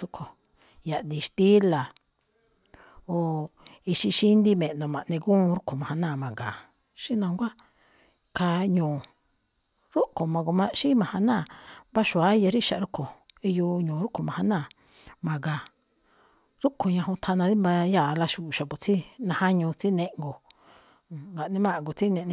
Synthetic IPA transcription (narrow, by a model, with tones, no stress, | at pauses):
u˧kʰo˨ | ja˨ʔd̪i˧ʃt̪i˦la˨ | o˨ | i˧ʃi˧ʃi˦nd̪i˦mẽ˨ʔnõ˨mã˨ʔnẽ˧ɡũː˦˧ɾu˦kʰo˨mã˨hã˧nãː˦˨mã˨ɡaː˨ | ʃi˦nã˧ŋɡʷa˦ | kʰa˧ɲũː˨ | ɾu˦kʰo˨mã˧ɡo˧mã˧ʃi˦mã˧hã˧nãː˦˨ba˦ʃu˨a˨˦ja˧ɾi˦ʃa˨˧ɾu˦kʰo˨i˧jo˧ɲõː˨ɾu˦kʰo˨mã˨hã˧nãː˦˨ | mã˨ɡa˨ | ɾu˦kʰo˨ɲã˧ɦõ˧t̪ʰa˧nã˧ði˦mbã˧ja˦˨la˧ʃu˨ʃa˨pu˨t͡si˦nã˧hã˦ɲũ˧t͡si˦nẽ˧˦ʔŋɡo˨ | ŋɡa˨ʔnĩ˧mã˦˨ŋɡo˨t͡si˦nẽ˧ʔnĩ˧